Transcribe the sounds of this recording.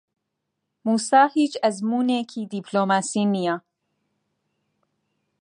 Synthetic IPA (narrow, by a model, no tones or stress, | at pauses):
muːsaːhiːt͡ʃɐzmuːneːkʰiːd̪ipʰloːmaːsinija